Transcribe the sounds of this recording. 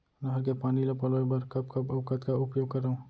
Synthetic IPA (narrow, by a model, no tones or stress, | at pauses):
nɐɦɐɾkepaːnilopɐloːjbɐɾkɐb̚kɐbɐʋkət̪kaʊpjoːɡ̚kɐɾaːũ